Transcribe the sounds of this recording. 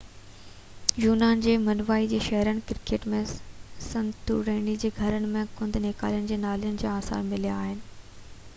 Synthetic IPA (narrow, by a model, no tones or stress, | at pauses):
juːnaːnd͡ʑeːmɐnʋaːid͡ʑeːʃɐɦɾənɪ̆kɪɾkeːʈmẽsɐ̃nd̪t̪ʰṵɾẽːɳid͡ʑeːɡʱɐɾənɪ̆mẽkʊ̃nd̪ʱneːka̰ːlijənɪ̆d͡ʑeːnaːlijənɪ̆d͡ʑaːaːsa̰ːnmɪlijaaːɦɪnɪ̆